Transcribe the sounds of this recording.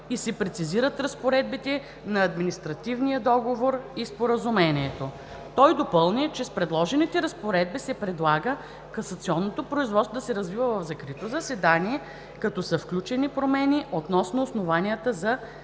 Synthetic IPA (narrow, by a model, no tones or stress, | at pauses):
isɛpɾɛt̪siziɾət̪ɾəspoɾɛd̪̚bit̪ɛ | nɐːd̪minist̪ɾɐt̪ivnijəd̪ɔɡovoɾispoɾəzumɛniɛt̪o | t̪ɔjd̪opɤlˠnit͡ʃɛspɾɛd̪lˠɔʒɛnit̪ɛɾɐspoɾɛd̪̚bisɛpɾɛd̪lˠaɡə | kɐsɐt̪siɔnːot̪opɾoizvɔt̪st̪vod̪ɐsɛɾɐzvivəvɐvzɐkɾit̪ozɐsɛd̪aniɛ | kɐt̪ɔsəfklʲut͡ʃɛnipɾomɛniʔot̪nɔsnoːsnovaniət̪əzɐ